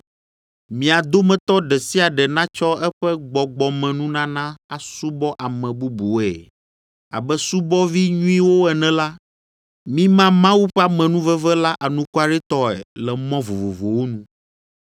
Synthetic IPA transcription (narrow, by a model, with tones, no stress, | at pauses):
mĩ˨a˨d̪o˦mɛ̃˨t̪ɔ˦ɖɛ˨si˦a˨ɖɛ˨nã˦t͡ʃɔ˦ɛ˦ɸɛ˦ɡ͡bɔ˨ɡ͡bɔ˨mɛ̃˨nũ˦nã˦nã˦a˨su˦bɔ˦ʔa˨mɛ̃˨bu˦bu˨ɛ̰˨ | a̰˨bɛ˦su˦bɔ˦vi˦ɲũ˦ĩ˦wo˦ɛ˨nɛ̃˨la˦ | mĩ˦mã˦mã˦wu˦ɸɛ˦a˦˨mɛ̃˨nũ˦vɛ˦vɛ˦la˦ʔa˨nũ˦ko˦a˨ɖɛ˦t̪ɔ˦ɛ̰˨lɛ˨mɔ̃˦vo˨vo˨vo˨wo˦nũ˦